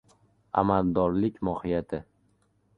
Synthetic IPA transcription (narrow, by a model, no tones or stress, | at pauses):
a̰mald̪ɒɾlɪkʲmɒhɪjat̪ʰɪ